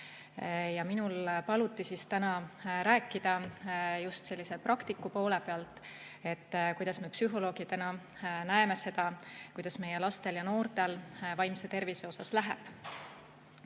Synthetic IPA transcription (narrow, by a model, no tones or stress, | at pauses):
jɑminulpɑlut̪ːˑisist̪ænɑɾæːkːˑid̪̥ɑjust̪se̞lʲːise̞prɑkt̪ikːˑupo̞ːle̞peɑlt̪ˑ | e̞t̪ːkujd̪̥ɑsme̞psyɦo̞lo̞ːɡit̪ænɑ | næeme̞se̞d̪̥ɑkujd̪̥ɑsme̞je̞lɑst̪e̞ljɑno̞ːrt̪e̞lvɑjmse̞t̪e̞rvise̞o̞sɑslæɦḛb̥